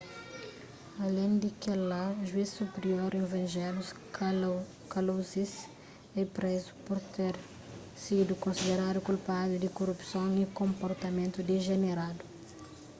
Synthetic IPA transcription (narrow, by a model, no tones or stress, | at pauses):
ɐlẽj̃d̪ikelaʒuisːupeɾioɾẽvɐ̃nʒɛlus | kɐlozis | ɛpɾezu̥puɾt̪eɾ | sid̪ukõnsid̪eɾad̪ukulpad̪ud̪ikorupsõwikõmpoɾt̪ɐmẽnt̪ud̪eʒeneɾad̪u